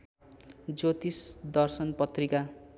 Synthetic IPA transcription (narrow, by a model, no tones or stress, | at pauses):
d͡zot̪isd̪ʌrsʌnpʌt̪rika